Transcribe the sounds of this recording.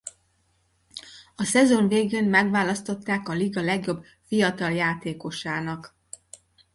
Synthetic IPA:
ɒsɛzo̞nveːɡeːnmɛɡʋaːlɒst̪o̞t̪ːaːkɒliɡɒlɛɡjo̞b | fijɒt̪ɒljaːt̪eːko̞ʃaːnɒk

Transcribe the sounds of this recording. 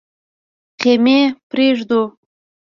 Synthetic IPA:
qemepɾeʒd̪u

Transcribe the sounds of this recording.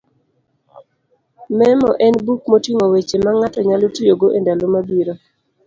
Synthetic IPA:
mɛmɔ̰ʔɛnbukmotiŋowet͡ʃemaŋatɔɲalotujoɡoʔendalomabiɾo

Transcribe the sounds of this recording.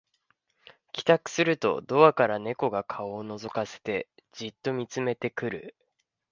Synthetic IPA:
kʲi̥t̪akɯ̟̥sɨɾɯ̟t̪o̞̰d̪o̞βakaɾane̞ko̞ɡakʰaoːno̞zo̞kase̞̥t̪e̞ | d͡ʑit̪ːo̞mʲit͡sɨme̞t̪e̞kɯ̟ɾɯ̟̰

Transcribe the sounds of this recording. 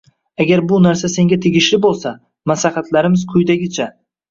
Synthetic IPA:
aɡʲaɾbʊnaɾsase̞ŋɡʲat̪ʰeɡʲɪʃlɪbolˠsa | maslahat̪ʰlaɾɪmɪzkʰʊjd̪aɡʲɪt͡ʃʰa

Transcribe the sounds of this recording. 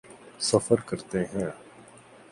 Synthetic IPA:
səfəɾkəɾt̪eɦɛ̃ː

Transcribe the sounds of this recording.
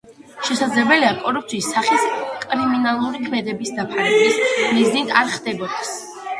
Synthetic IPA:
ʃɛsad̪zlɛbɛliakʼɔɾup̚ʰt̪sʰiːsːaχiskʼɾiminalˠuɾikʰmɛd̪ɛbisd̪apʰaɾɛbismiznit̪ʰaɾχd̪ɛbɔd̪ɛs

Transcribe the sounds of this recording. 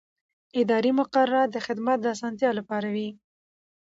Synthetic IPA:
ɪd̪ɑɾimʊqaɾaɾad̪əxɪd̪mat̪̚d̪əas̬ɑnt̪̬jɑlapɑɾawi

